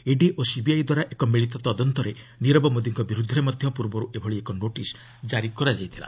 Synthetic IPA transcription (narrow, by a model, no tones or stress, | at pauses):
eɖiʔosibiajd̪waɾaʔekɔmiɭit̪ɔt̪ɔd̪ɔnt̪ɔɾe | niɾɔbɔmod̪iŋkɔbiɾud̪ʱɔɾemɔd̪ʱjɔpuɾbɔɾuʔebʱɔɭiekɔnoʈis | d͡ʒaɾikɔɾad͡ʒajt̪ʰila̰